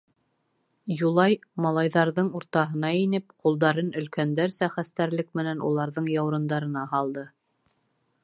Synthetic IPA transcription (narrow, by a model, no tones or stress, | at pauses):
julˠɑjmɑlˠɑjðɑɾðɤɴuɾt̪ɑɦɤ̆nɑinɘp̚qʰulˠd̪ɑɾɤnɵ̆lkænd̪æɾsæχæst̪æɾlɘk̚mɘ̆nænṵlˠɑɾðɤɴjɑwɾɤ̆nd̪ɑɾɤ̆nɑɦɑlˠd̪ɤ